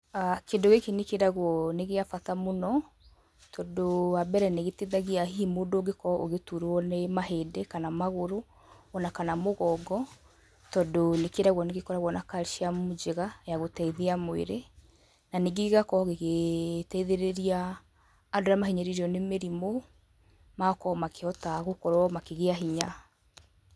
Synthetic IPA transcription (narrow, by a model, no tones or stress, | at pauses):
akendoɣekenekeɾaɣwɔneɣeafatamonɔ | tʰɔdoabɛɾɛneɣeteðaɣiaɦiːmodoɡekɔʔoɣetuɾwɔnemaɦeːdekanamaɣoɾoː | nakanamoɣɔɡɔ | tɔdonekeɾaɣwɔneɣekɔɾaɣwɔnakaɾʃiamod͡ʒeɣajaɣotɛiðeamoḛɾe | naneɡeiɣakɔɣeɣetɛiðeɾeɾiaː | doɾamaɦiɲeɾiɾeɔnemeɾimo | makɔmakeɔtaɣokɔɾwɔmakeɣeaɦiɲa